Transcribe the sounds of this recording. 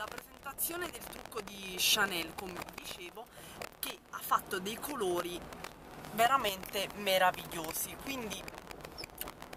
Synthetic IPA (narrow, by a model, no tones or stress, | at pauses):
lapɾezent̪at̪sːjoːned̪elt̪ɾukːod̪iʃanɛlkomed̪it͡ʃeːvok̟eafːat̪ːod̪ejkʰoloːɾi | veɾament̪emeɾaviʎːoːzikwind̪i